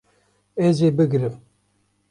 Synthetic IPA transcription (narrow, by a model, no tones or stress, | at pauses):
ezeːbɨɡɾɨm